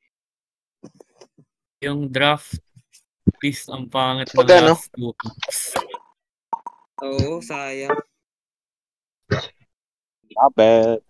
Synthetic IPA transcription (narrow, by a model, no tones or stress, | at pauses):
jʊŋd̪ɾaft̪̚ | pist̪ɐŋpaːŋɐt̪̚nɐŋanosuːt̪ɪks | ʔoːʔosaːja | nabɛ